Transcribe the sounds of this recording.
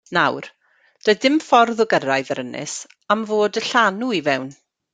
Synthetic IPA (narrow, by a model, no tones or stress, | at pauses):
nawr | d̥əɨdɪmfɔrðʊɡərajðəɾənɪ̰s | amvoːdəɬanuivɛwn